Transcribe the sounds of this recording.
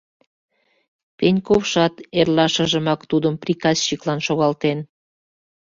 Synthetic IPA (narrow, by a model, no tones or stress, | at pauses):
penʲkofʃɑt̪erlɑʃəʒə̆mɑkt̪ud̪əmprikɑsɕiklɑnʃoɣɑlt̪en